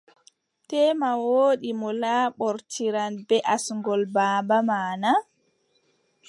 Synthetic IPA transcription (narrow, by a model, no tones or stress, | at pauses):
tɛːmawoːɗimɔlaːɓɔɾtʰiɾanbɛʔasŋɡɔlbaːmbamaːna